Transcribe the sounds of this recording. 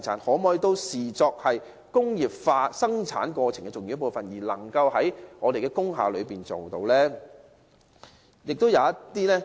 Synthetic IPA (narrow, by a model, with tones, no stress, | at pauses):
t͡sʰaː˨˥nhɔː˨˥mɔː˧jt̪o˥wsiː˨˩t͡sɔː˧k̚hɐ˨j | kʊ˥ŋjiː˨˩p̚faː˧sɐ˥ŋt͡sʰa̰ː˨˥nkɔː˧t͡sʰɪ˨˩ŋkɛ˧t͡sʊ˨˩ŋji˧jpo˨˧wfɐ˨njiː˨˩lɐ̰˨˩ŋkɐ˧whɐ˨˥jŋɔː˨˧d̪e˨jkɛː˧kʊ˥ŋɦa̰ː˨˧lɵ˨˧ɥpiː˨˩nt͡so˨wt̪o˧wlɛː˥ | jɪ˨k̚t̪o˥wjɐ˨˧wɐ˥t̪iː˥lɛː˥